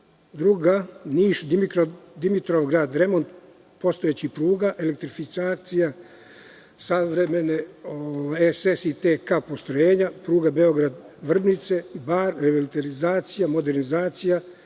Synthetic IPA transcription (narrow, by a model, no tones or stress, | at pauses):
d̪ɾuɡaniːʃd̪imikod̪imit̪ɾoʋɡɾaːd̪ɾemo̞nt̪̚ | po̞st̪oet͡ɕipɾuːɡaʔelek̚t̪ɾifisaːt̪sija | saʋɾemeneoʋajesesit̪ekapo̞st̪ɾojeːɲapɾuːɡabeoɡɾad̪ʋr̩bnit̪se̞baːɾɾeʋolit̪eɾizaːt̪sijamo̞d̪eɾnizaːt̪sija